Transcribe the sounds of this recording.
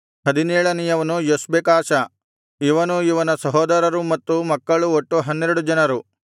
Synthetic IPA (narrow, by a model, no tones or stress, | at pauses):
ɦɐd̪inɛːɭɐnijɐʋɐnujosbekaːʃɐ | iʋɐnuiʋɐnɐsɐɦɔːd̪ɐɾɐɾumɐt̪ːumɐkːɐɭuoʈːuɦɐnːeɾɐɽud͡ʒɐnɐɾu